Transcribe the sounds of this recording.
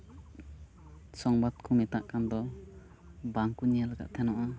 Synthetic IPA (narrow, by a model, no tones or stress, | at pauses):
sɔŋbat̪̚kʰumɛt̪aʔkand̪ɔ | baŋkunijalaɡa̰ʔ̚t̪ʰɛnɔʔa